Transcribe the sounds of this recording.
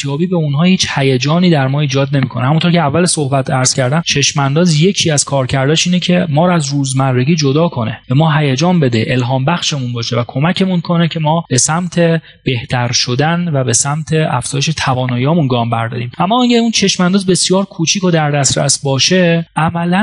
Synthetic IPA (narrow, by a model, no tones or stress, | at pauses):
sijɒːbiːbeunɦɒːhiːt͡ʃhæjed͡ʒɒːniːd̪æɾmɒːiːd͡ʒɒːd̪̚ne̞miːkʰo̞nehæmunt̪ʰoɾcʰeævːæleso̞hbæt̪ʰæɾz̥cʰæɾd̪æmt͡ʃʰe̞ʃmænd̪ɒːzje̞cʰiːæz̥kʰɒːɾcʰæɾd̪ɒːʃiːnecʰe̞mɒːɾɒæzɾuːzmærːeɡiːd͡ʒod̪ɒːkʰo̞neb̥e̞mɒːɦæjed͡ʒɒːnbe̞d̪eʔelɦɒːmbæxʃe̞munbɒːʃevækʰo̞mæcʰe̞munkʰo̞necʲʰe̞mɒːb̥e̞sæmt̪ʰe | b̥e̞ht̪ʰæɾʃo̞d̪ænvæbe̞sæmt̪ʰeæ̰fz̥ɒːjeʃe̞t̪ʰævɒːnɒːjiːhɒːmunɡɒːmbæɾd̪ɒ̰ːɾiːmʔæmːɒːæɟæunt͡ʃʰe̞ʃmænd̪ɒːzbe̞sjɒːɾkʰut͡ʃʰiːko̞d̪æɾd̪æst̪ɾæ̰sbɒːʃe̞ʔæmælæ